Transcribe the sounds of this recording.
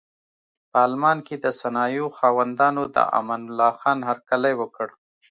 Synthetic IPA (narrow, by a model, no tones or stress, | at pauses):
pəalmɑnked̪əsanɑjoxɑwand̪ɑnod̪ə̰ʔa̰manʊlːɑxɑnhaɾkalajwəkəɽ